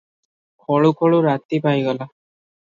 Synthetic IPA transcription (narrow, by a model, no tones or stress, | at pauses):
kʰɔɭukʰɔɭuɾat̪ipajɡɔla